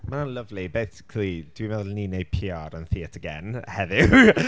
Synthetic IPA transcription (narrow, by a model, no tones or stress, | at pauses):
manənlˠəvlibejsɪ̥kʰlˠid̥wimɛðʊlninejpʰiɔɾənθiətʰəɡɛ̰nhɛðɪ